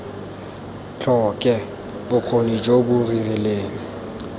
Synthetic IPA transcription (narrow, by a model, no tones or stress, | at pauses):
t͡ɬʰɔkʼɛ | bʊq͡χʰonid͡ʒobʊrirɛleːŋ̩